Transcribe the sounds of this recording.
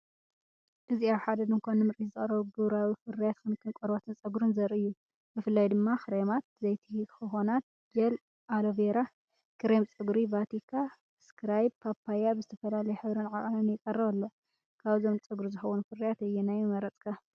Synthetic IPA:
ʔɨziaβħad̪ɐd̪ɨnkʰʷonɨmɨɾizɨχʼɾɐβuɡɨβɾawifɨɾijat̪xɨnkʰɨnkʼɔɾbot̪ʰɨnt͡sʼɐɡɾɨnzɐɾɨjːu | bɨfɨlːajd̪ɨmːaxɨɾemat̪̚zɐjt̪ʰixɨxo̞nat̪̚ | jɛl | ʔaloveɾa | kʰɨɾemt͡sʼɨɡɾivat̪ʰikʰa | skɾajbpʰapʰːajabɨzɨt̪ʰɐfɐlalɐjɛħɨβɾɨnʕakʼanɨnjɪkʼɐrːɐβɐlːo | kʰaβzomt͡sʼɨɡɾizɨxɐwunfɨɾijat̪ɨjːɛnajmɨmɐɾɐt͡sʼkʰa

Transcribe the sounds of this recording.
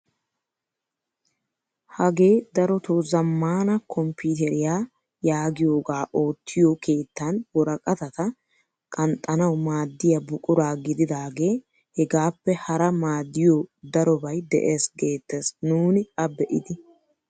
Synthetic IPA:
hɐɡe̞ːd̪ɐɾɔt̪oːzɐmːaːnɐkʰɔmpiːt̪ɛɾɪjaː | jaːɡɪjo̞ːɡaːʔo̞ːt̪ʰːɪjoke̞ːt̪ːɐnwɔɾɐkʼɐt̪ɐt̪ɐ | kʼɐnt̪ʼːɐnɐwmaːd̪ːɪjɐbʊkʼʊɾaːɡɪd̪ɪd̪aːɡe̞ː | hɛɡaːpːɛhɐɾɐmaːd̪ːɪjoːd̪ɐɾɔbɐjd̪ɛ̰ʔeːsɡe̞ːt̪ːesnuːnɪɐbɛʔɪd̪ɪ

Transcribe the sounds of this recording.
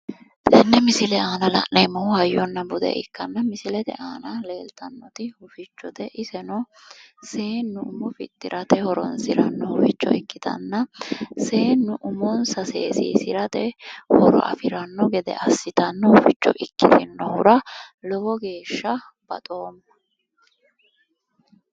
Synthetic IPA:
ɛnːɛmɪsɪlɛaːnɐlɐ̰ʔnejmɔhhɐjːɔnːɐbʊd̪ɛ̰ʔɪkːɐnːɐmɪsɪlɛt̪ɛ̰ʔaːnɐle̞ːlt̪ɐnːɔt̪ɪhʊfɪt͡ʃːɔt̪ɛʔɪsɛnɔse̞ːnːʊʊmɔfɪ̰t̪ʼːɪɾʔɐt̪ɛhɔɾɔ̰nsɪɾɐnːɔhʊfɪt͡ʃːɔ̰ɪkːɪt̪ɐ̰nːɐseːnːʊʔʊmɔnsɐseːsḭːsɪɾɐt̪ɛhɔɾɔ̰ʔɐ̰fɪɾɐnːɔɡɛd̪ɛ̰ʔɐsːɪt̪ɐnːɔhʊfɪt͡ʃːɔ̰ʔɪkːɪt̪ɪnːɔhʊɾɐlɔɡɔɡe̞ːʃːɐ | b̥ɐ̰t̪ʼo̞ːmːɐ

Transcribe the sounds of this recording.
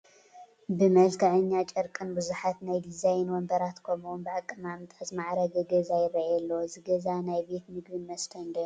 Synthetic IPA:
bɨmɐlkʰɐʕɨɲːat͡ʃʼɐɾkʼɨnbɨzuħat̪najd̪izajnwɔmbɐɾat̪kʰomunbɨʕakʼːɨmamt̪ʼazmaʕɾɐɡɐɡɐzajɛɾɐʕɛlːɐwzɨɡɐzanajbe̞t̪mɨɡbɨnmɐst̪ʰɐnd̪ɐ

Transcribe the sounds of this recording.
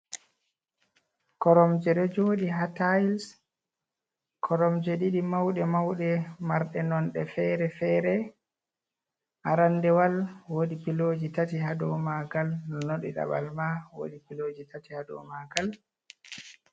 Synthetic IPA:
kɔɾɔmd͡ʒɛɾɔd͡ʒoːɗiɦatajls | kʰɔɾɔmd͡ʒɛɗiɗimawɗɛmawɗɛmaɾɗɛnɔnɗɛfɛɾɛfɛɾɛ | ʔaɾandɛwalwodipiloːd͡ʒitatiɦadɔmaɡalnɔnoɗḭɗa̰ɓa̰lmawo̰ɗipilod͡ʒitʰatihadɔ̰maɡal

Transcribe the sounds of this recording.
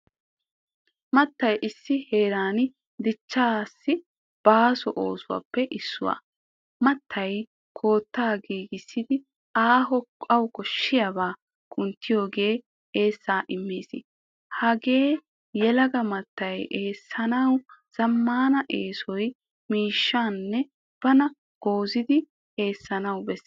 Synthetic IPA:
mɐt̪ːɐjʔɪsːɪhe̞ːɾaːn | d̪ɪt͡ʃːaːsːɪ | b̥aːsɔʔo̞̰ːsʊwa̰ːpːɛʔɪsːʊwa̰ː | mɐt̪ʰːɐj | kʰo̞ːt̪ːaːɡiːɡɪsːɪd̪ɪ | aːɦɔɐwkɔʃːɪjabaː | kʼʊnt̪ːɪjo̞ːɡe̞ː | eːsːaːʔɪmːiːsɪ̰ | hɐɡe̞ː | jɛlɐɡɐmɐt̪ːɐjʔeːsːɐnɐwz̥ɐmːaːnɐʔeːsɔj | miːʃːaːnːɛ | b̥ɐnɐ | ɡ̥o̞ːzɪd̪ɪ | e̞ːsːɐnɐwbɛsː

